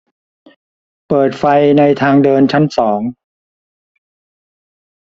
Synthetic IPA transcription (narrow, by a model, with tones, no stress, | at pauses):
pɤː˨˩t̪̚fa˧jna˧jt̪ʰaː˧ŋdɤː˧nt͡ɕʰa˦˥nsɔː˩˦ŋ